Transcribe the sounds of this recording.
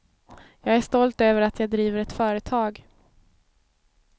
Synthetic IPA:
jɑːɡæʂt̪ɔlt̪øːvəɾat̪ʰjɑːɡd̪ɾiːvəɾɛt̪fœːɾət̪ʰɑːɡ

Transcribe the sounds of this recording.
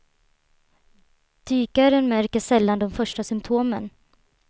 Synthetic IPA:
d̪̥yːkaɾənmæɾkəsɛlːand̪ɔmfœʂʈasʏmpt̪ʰoːmə̰n

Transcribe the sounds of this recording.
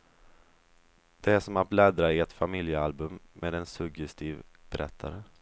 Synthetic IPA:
d̪̥ɛæʂɔmat̪̚blɛd̪ɾaɪɛt̪famɪljəalbɵmːeːd̪ɛnsɵɡjɛst̪ʰiːvb̥ɛɾʔɛ̰t̪ʰːa̰ɾə

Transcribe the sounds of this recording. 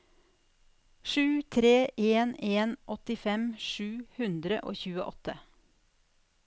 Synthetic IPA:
ʃʉːt̪ʰɾeːʔeːneːnʔɔt̪ɪfɛmʃʉːhʉnd̪ɾə̰ʔo̰ːçʉːəʔɔt̪ə

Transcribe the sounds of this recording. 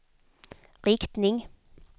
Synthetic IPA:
ʁɪkt̪nɪŋ

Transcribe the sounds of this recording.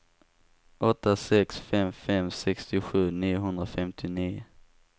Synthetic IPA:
ʔɔt̪ːasɛksfɛmfɛmsɛkst̪ɪɧʉ̟ːniːʊɦɵnd̪ɾafɛmt̪ʰɪniː

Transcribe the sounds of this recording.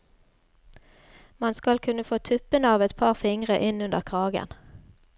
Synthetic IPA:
mɑnskɑlkʰʉnəfoːt̪ʰʉpənəɑːʋɛt̪pʰɑːʁfɪŋʁəʔɪnʉnd̪əʁkʰʁɑːɡə̰n

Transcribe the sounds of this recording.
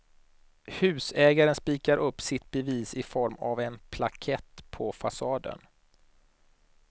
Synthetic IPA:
hʉ̟ːsɛːɡaɾənspiːkaɾʔɵpːsɪt̪̚bɛviːsɪfɔɾma̰vɛnpʰlakʰɛt̪ːpʰɔfasɑːd̪ə̰n

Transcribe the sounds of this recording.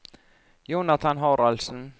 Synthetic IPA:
juːnat̪ʰanɦɔɾalsn̩

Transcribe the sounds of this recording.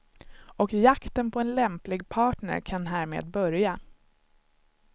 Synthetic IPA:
ɔkjakt̪ənpʰɔɛnlɛmplɪɡ̚pʰɑːʈɳə̰ɾkʰanɦæːɾmḛːd̪bœɾja

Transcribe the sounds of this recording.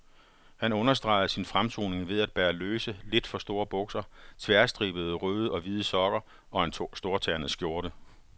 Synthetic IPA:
hænɔ̽nɐs̬d̥ʁɑ̈ɪð̩ˠəsinfʁamt͡sʰo̝̰ːne̝ŋʋe̝ð̞ˠæd̥̚b̥æːɐløːsəle̝d̥fɒ̽sd̥o̝ːɐb̥ɔ̽ɡ̥sɐt͡sʰʋæɐsd̥ʁḭːb̥əð̞̩ˠəʁøːð̞ˠɒ̽ʋið̞ˠəsɒ̽ɡ̥ɐ | ɒ̽ænsd̥o̝ɐt͡sʰæːɐnəsɡ̥jo̝ɐɾə

